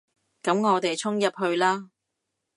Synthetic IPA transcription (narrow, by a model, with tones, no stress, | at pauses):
kɐ˨˥mŋɔː˨˧t̪e˨jt͡sʰʊ˥ŋjɐ˨p̚hɵ˧ɥlaː˥